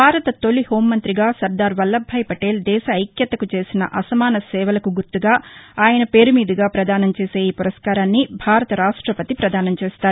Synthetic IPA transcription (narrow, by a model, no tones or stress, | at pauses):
bʱaːɾɐt̪ɐt̪o̞liho̞ːmːɐnt̪ɾiɡaːsɐɾd̪aːɾʋɐlːɐbʱːɐjpɐʈe̞ːld̪ɛːʃɐɐjkjɐt̪ːɐkut͡ʃe̞ːsinɐ̰ʔɐsɐmaːnɐsɛːʋɐlɐkuɡuɾt̪uɡaːaːjɐnɐpe̞ːɾumiːd̪iɡaːpɾɐd̪ʱaːnɐmt͡ʃe̞ːse̞ːiːpuɾɐskaːɾaːnːibʱaːɾɐt̪ɐɾaːʂʈɾɐpɐt̪ipɾɐd̪ʱaːnɐmt͡ʃeːst̪aːɾu